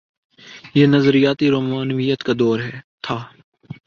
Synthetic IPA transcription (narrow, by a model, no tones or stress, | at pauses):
jeːnəzɾijaːt̪iɾoːmaːnʋijət̪kad̪ɔːɾɦɛːt̪ʰaː